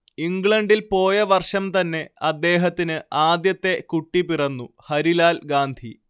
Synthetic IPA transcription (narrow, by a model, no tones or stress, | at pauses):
iŋɡɭɐɳɖilpo̞ːjɐʋɐrʂɐmt̪ɐnːe̞ɐd̪ːe̞ːɦɐt̪ːinɨaːd̪jɐt̪ːe̞kuʈːipirɐnːuhɐɾilaːlɡaːnd̪ʱi